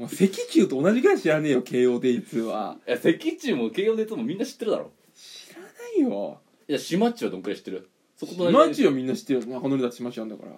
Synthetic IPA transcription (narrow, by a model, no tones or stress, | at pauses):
mose̞kʲikʲɨːt̪o̞onaʑikaɕiɾane̞ːjoke̞ːjo̞ːd̪e̞it͡sɨβa̰jase̞kʲit͡ɕɨːmoke̞ːjod̪eit͡sɨmomʲĩnːaɕi̥t̪ːeɾɯd̪aɾo̰ː | ɕi̥ɾanaijo̰ | jaɕimat͡ɕiβad̪oŋkɯɾeɕi̥t̪ːeɾɯ | sokot̪omat͡ɕiβamʲĩnːaɕi̥t̪ːe̞ɾɯ̟nakanoɾʲid̪at̪ːe̥ɕimaɕiãnd̪a̰ka̰ɾa̰